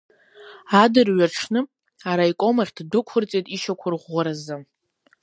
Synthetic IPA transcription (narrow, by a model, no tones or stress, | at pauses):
adɨrɥaʈ͡ʂʰnɨ | aɾajkʷʼo̞maχʲddɨkʷʰʊrt͡sʼejtʼiʃakʷʰʊrʁʷːaɾazɨ